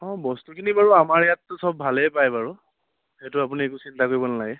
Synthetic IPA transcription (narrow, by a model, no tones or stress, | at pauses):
ɔ̃bɔstukʰinibaɹuamaɹjatːʊsɔbːʱalɛpajbaɹu | xɛtʊapuniekusintakoɹibɔnalaɡɛ